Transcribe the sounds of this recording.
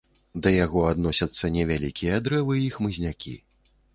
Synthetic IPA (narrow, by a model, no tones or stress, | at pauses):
d̪ɐjaɣɔad̪nɔsʲɐt̪sːɐnʲɛvʲalʲikʲijɐd̪ɾɛvɨixmɨzʲnʲakʲʰḭ